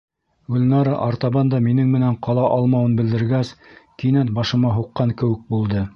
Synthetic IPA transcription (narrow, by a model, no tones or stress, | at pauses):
ɡɵ̆lnɑɾɑʔɑɾt̪ɑβɑnd̪ɑminɘŋmɘ̆næɴqɑlˠɑʔɑlˠmɑwɤnbɘ̆ld̪ɘ̆ɾɡæskinænt̪̚bɑʃɤ̆mɑɦuqːɑŋkɘ̆wɘk̚bulˠd̪ɤ